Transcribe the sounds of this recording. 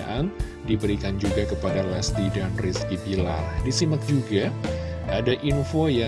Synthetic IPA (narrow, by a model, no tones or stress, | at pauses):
aʔan | dibəɾikand͡ʒuɡakəpadalast̪idanriskibila̰rdisimət̪̚d͡ʒuɡaadaʔinfoja